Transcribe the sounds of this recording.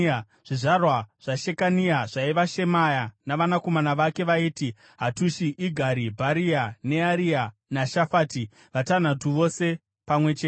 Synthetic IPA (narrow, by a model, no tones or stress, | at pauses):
ʐ̥iʐarwaʐ̥aʃe̞kanijaʐaiʋaʃe̞majanaʋanako̞manaʋake̞ʋaiːti | ɦatuʃiʔiɡʱaɾibʱaɾiane̞aɾianaʃafaːti | ʋatan̤atuʋo̞se̞ | pamwe̞t͡ʃeːte